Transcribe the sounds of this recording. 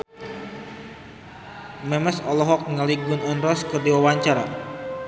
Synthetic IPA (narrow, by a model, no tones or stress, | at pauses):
mɛməsɔlɔɦɔk̚ŋəliɡʊnunrɔskɨrdiwawaɲt͡ʃaɾa̰